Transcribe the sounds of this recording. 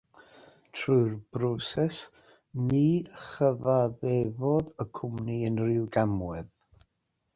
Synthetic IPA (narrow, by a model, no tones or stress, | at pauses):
tʰrʊɨrb̥rɔsɛs | niːχəvaðɛvɔdəkʰʊmniənrɪwɡamwɛð